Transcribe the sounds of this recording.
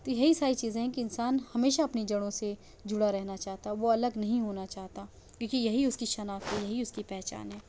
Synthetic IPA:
t̪ojɐɦisaːɾit͡ʃiːzẽɦɛ̃kiɪnsaːnhɐmeːʃaɐpnid͡ʒɐɽ̃õse | d͡ʒʊɽaɾɛɦnat͡ʃaːɦt̪aʋoɐləɡnɐɦĩɦoːnat͡ʃaːɦt̪a | kjõːkijɐɦiʊskiʃɐnaːfɦɛjɐɦiʊskipɛːɦt͡ʃa̰ːnɦɛː

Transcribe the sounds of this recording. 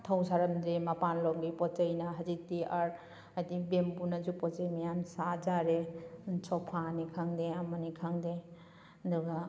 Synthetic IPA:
t̪ʰawsaɾɐmd̪ɾemɐpanlɔŋɡipɔt͡ʃəjnaɦɐzitiaɾ | ad̪ibembunazupɔt͡ʃejmijamsad͡ʒaɾet͡ʃʰɔpʰanikʰaŋd̪eamɐnikʰaŋde | d̪uɡa

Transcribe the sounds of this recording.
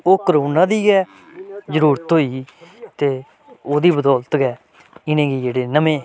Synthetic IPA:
oːkəɾoːnãːd̪iːɡɛː | zəɾuːɾət̪ɦoːiːt̪eː | oːd̪iːbəd̪ɔːlt̪ɡɛː | ɪnẽːɡiːd͡ʒeːɽeːnəmẽː

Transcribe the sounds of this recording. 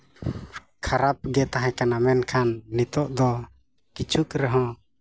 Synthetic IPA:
kʰaɾap̚ɡɛt̪aɦãkanamɛnkʰanːit̪ɔʔd̪ɔ | kit͡ʃʰukɾɛɦɔ̃

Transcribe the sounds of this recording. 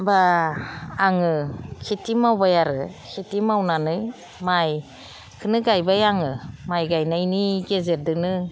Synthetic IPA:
baː | ŋɯkʰitimawbajaɾɯkʰitimawnanɯj | maj | kʰɯnɯɡajbajaŋɯmajɡajnajniɡezeɾdɯnɯ

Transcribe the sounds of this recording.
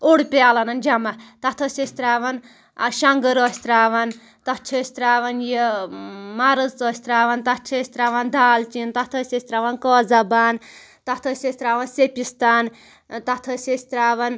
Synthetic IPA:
oɽpealɐnɐnd͡ʒamat̪at̪ʰosʲesʲt̪ɾaːʋɐn | ʃaŋɡəɾɔsʲt̪ɾaːʋan | t̪ɐt͡ʃʰesʲt̪ɾaːʋɐnje | maɾəzt̪ɔsʲt̪ɾaːʋɐnt̪at͡ʃʰesʲt̪ɾaːʋand̪ʱaːlt͡ʃint̪at̪ʰosʲesʲt̪ɾaːʋɐnkɔd͡zabaːn | t̪at̪ʰosʲesʲt̪ɾaːʋɐnsepist̪aːn | t̪at̪ʰosʲesʲt̪ɾaʋɐn

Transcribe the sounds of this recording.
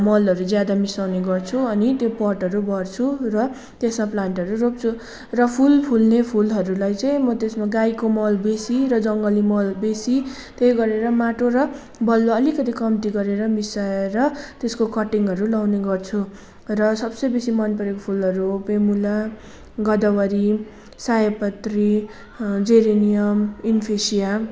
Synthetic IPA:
mʌlʌɾud͡zjad̪amisawneɡʌrt͡sʰuʌnit̪jopʌʈʌɾubʌrt͡sʰurʌ | t̪esmaplaɳʈʌɾurop̚t͡sʰu | rʌpʰulpʰulnepʰulɦʌɾulajt͡sʌ̃ĩmʌt̪esmaɡajkomʌlbesirʌd͡zʌŋɡʌlimʌlbesi | t̪ejɡʌɾeɾʌmaʈoɾʌ | bʌlːoʌlikʌt̪ikʌmt̪iɡʌɾeɾʌmisaɾʌt̪eskokʌʈiŋɦʌɾulawneɡʌrt͡sʰu | rʌsʌbsʌjbesimʌnpʌɾekopʰulɦʌɾupemula | ɡʌd̪ʌwʌɾi | sajʌpʌt̪ri | d͡zeɾenijʌminpʰesija

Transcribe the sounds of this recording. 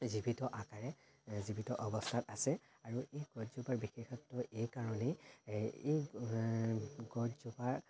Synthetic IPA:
zibitɔʔakaɹɛ | zibʱitɔʔɔbɔstʰatasɛ | aɹuʔejɡɔtzubaɹbixexɔtːɔʔejkaɹɔne | ej | ɡɔtzubaɹ

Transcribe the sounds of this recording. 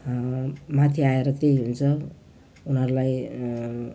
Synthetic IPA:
mat̪ʰiaeɾʌt̪ejɦunt͡sʰʌ | unɦʌɾulaj

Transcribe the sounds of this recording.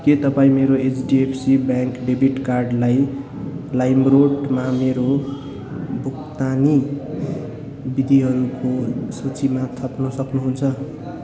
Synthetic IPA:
ket̪ʌpaĩmeɾoet͡sɖiepʰsibjaŋkɖebiʈkarɖlaj | lajmroʈmameɾo | bʱukt̪ani | bid̪ʱiɦʌɾukosʌt͡simat̪ʰʌpnʌsʌknuɦunt͡sʰʌ

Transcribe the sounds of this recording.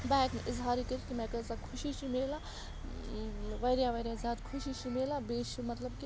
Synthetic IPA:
bɛːknʔɪzɦaːɾikəɾikimɛ̃kəsãkʰʊʃit͡ʃʰimeːla | ʋɐɾjaʋɐɾjazʲjaːd̪kʰʊʃit͡ʃʰimeːlabeːʃimɐt̪lɐbki

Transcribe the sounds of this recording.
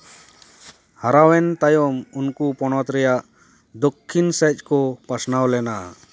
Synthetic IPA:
haɾawɛnt̪ajɔmunkupɔɽ̃ɔt̪ɾɛjaʔ | d̪ɔkʰːinsɛc̚ˀkɔpasnawlɛna

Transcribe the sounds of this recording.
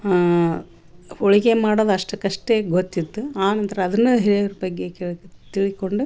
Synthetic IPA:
poɻiɣemaːɽɐðɐʂʈɐkɐʂʈeːɡot̪ːit̪ːuaːnɐnt̪ɾɐɐðɐnːɐd̪ɐɦiɾeɾupɐɡːekeɭt̪iɭikːoɳɖu

